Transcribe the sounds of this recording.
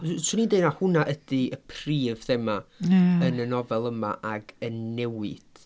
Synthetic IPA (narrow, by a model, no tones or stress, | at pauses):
sunindejnahʊnaʔəd̥iəpʰriːvθɛmaənənɔvɛlˠəma̰ʔaɡənːɛwɪd̥